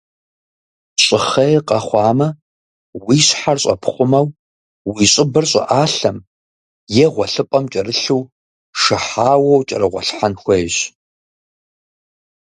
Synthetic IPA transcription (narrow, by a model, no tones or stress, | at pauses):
ɕʼɪχɐjqʼɐχʷɑːmɐ | wiːɕħarɕʼɐ̰pʰχʷʊmɐw | wiːɕʼɪbɐrɕʼɪ̰ʔaːɬɐm | jɛʁʷɔɬɨpʼɐmt͡ʃʼɐrɨɬuw | ʂɐħaːwɐwt͡ʃʼɐ̰ɾɨʁʷɔ̰ɬħanxʷɐjɕ